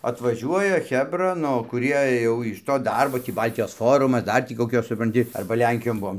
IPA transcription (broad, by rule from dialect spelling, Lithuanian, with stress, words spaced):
ɐtʋɐˈʒʲuɔjɛ ˈxʲæːbrɐ ˈnʊ kʊˈrʲiɛ ˈjɛʊ ɪʃ toː ˈdɐrboː ˈtʲiː ˈbɐlʲtʲɪjoːs ˈfoːrʊmɐs ˈdɐr tʲiː koːˈkʲoːs sʊprɐnʲˈtʲɪ ˈɐrbɐ ˈlʲɛŋʲkʲɪjoːn ˈbuɔm